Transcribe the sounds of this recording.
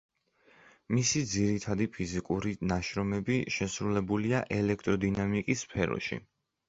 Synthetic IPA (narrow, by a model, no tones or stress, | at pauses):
misid̪ziɾit̪ʰad̪ipʰizikʼuɾinaʃɾɔmɛbiʃɛsɾulɛbuliaʔɛlɛkʰt̪ʼɾɔd̪inamikʼisːpʰɛɾɔ̰ʃḭ